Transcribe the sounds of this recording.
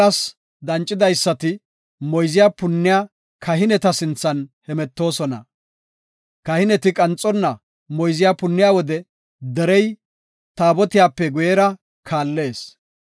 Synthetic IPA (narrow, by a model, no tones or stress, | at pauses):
ɐs | d̪ɐnt͡ʃʼːɪd̪ɐjsːɐt̪ɪ | mɔjzɪjaːpʊnːɪjaː | kʰɐɦɪnɛt̪ɐsɪnt͡sːɐnhɛmɛt̪ːo̞ːsɔnɐ̰ | kɐhɪnɛt̪ɪkʼɐnt͡sʼːɔnːɐ | mɔjzɪjaːpʊnːɪjaːwɔd̪ɛ | d̪ɛɾɛj | t̪aːbɔt̪ɪjaːpːɛɡʊjɛɾɐ | kʰaːlːe̞ːs